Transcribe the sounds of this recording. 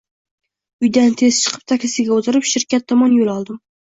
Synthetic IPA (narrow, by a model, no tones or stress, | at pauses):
ʊjd̪ant̪ʰe̞zt͡ʃʰɨ̥qʰɨ̥p̚t̪ʰakʲlɪsɪɡʲaot̪ʰɪɾɪpʃɪɾkʲat̪ʰːɒmɒnjolˠɒlˠd̪ɪm